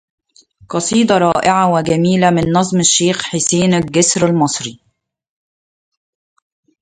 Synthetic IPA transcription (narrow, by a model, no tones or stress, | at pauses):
qɑsˤiːd̪ˤɑɾˤɑːʔɪʕawɪɡæmiːlæmɪnːɑzˤmɪʃːeːxħɪseːnæɡɪsɾalmɑsˤɾi